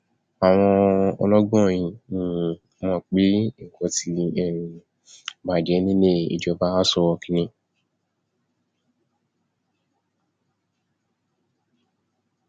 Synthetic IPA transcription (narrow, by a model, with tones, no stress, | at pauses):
a˨w̃ɔ̃˧ɔ˧lɔ˦ɡ͡bɔ̃˦˨j̃ĩ˧˨ĩ˨ | mɔ̃˧˦˨k͡pe˦ŋ̩˨kɔ˧ti˨˦˧ɛ˦˨ɾĩ˧ | ba˨d͡ʒɛ˨˦nĩ˦nẽ˦˨ḭ˨d͡ʒɔ˧ba˦sɔ˧wɔ˧kĩ˧˦nĩ˧˦